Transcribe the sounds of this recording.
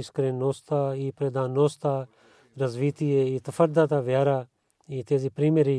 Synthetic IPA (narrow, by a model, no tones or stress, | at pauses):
ɪskəɾẽːnoːst̪aːiːpɾed̪ãːnːoːst̪aː | ɾəzʋiːt̪iːeːiːt̪əfʰəɾd̪aːt̪aːʋjaːɾaː | iːt̪eːziːpɾiːmeɾiː